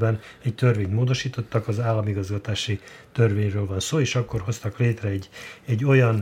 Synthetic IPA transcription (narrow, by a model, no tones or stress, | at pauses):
bɛnɛct̪ørveːɲt̪moːd̪o̞ʃiːt̪o̞t̪ːɒkɒzaːlːɒmiɡɒzɡɒt̪aːʃit̪ørveːɲrøːlvɒnsoːeːʃɒkːo̞rɦo̞st̪ɒkleːt̪rɛɛɟːɛɟːo̞jɒn